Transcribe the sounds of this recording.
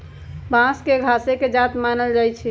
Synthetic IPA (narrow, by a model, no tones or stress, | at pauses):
bãskeɡʱaseked͡ʒat̪manəld͡ʒajt͡ʃʰi